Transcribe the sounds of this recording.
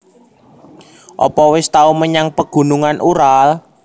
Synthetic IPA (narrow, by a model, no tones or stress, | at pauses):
ʔɔ̰pɔwɪst̪auməɲaŋpəɡ̥ṳnuŋanʔuɾal